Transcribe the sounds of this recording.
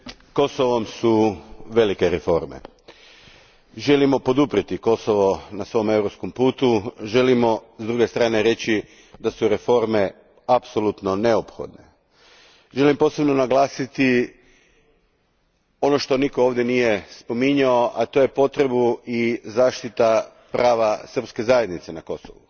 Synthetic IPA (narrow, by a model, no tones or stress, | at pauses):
ko̞soʋo̞msuʋe̞like̞ɾefo̞̰ɾme̞̰ | ʒe̞limo̞po̞d̪upɾit̪iko̞soʋo̞nasʋo̞jme̞wɾo̞psko̞mpuːt̪uʒe̞limo̞zd̪ɾuɡe̞st̪ɾaːne̞ɾe̞t͡ɕi | d̪asuɾe̞fo̞ɾme̞ | apso̞lˠut̪no̞ne̞opxo̞̰d̪ne̞ | ʒe̞limpo̞ːse̞bno̞naɡlˠaːsit̪i | o̞no̞ʃt̪o̞nikooːʋd̪je̞nije̞spo̞miɲaoʔat̪o̞je̞po̞t̪ɾe̞buizaːʃt̪it̪a | pɾʔaːʋasr̩pske̞zaje̞d̪nit̪se̞nako̞so̰ʋu